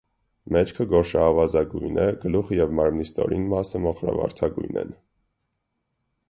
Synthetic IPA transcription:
mɛt͡ʃkʰəɡɔɾʃɑːvɑzɑɡujnʔɛɡəluχəjɛvmɑɾmnist̪ɔ̰ɾinmɑsəmɔχɾɑ̰vɑ̰ɾt̪ʰɑɡujnɛ̰n

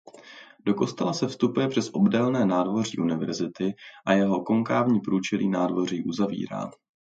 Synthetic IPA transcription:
do̞ko̞st̪ɛlasɛfst̪upujɛpr̥ɛsʔo̞bdɛlnɛːnaːdvo̞r̝iːʔunɪvɛ̰ɾzɪt̪ɪʔajɛɦo̞ko̞ŋkaːvɲiːpɾuːt͡ʃɛlḭːnaːdvo̞r̝iːʔuzavḭːɾa̰ː

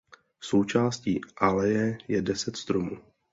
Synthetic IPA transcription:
so̞wt͡ʃaːscḭːʔalɛjɛjɛdɛsɛt̪st̪ɾomuː

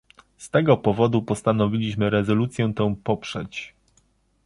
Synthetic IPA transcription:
st̪ɛɡɔpɔvɔd̪upɔst̪anɔvʲilʲiɕmɘɾɛzɔlut̪sʲjɛ̃t̪ɛ̃w̃pɔpʂɛt͡ɕ

